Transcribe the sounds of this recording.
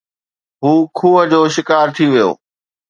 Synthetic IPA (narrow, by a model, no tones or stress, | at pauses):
ɦuːkʰuːɦə̆d͡ʑoːʃɪkaːɾt̪ʰiʋijo̰ː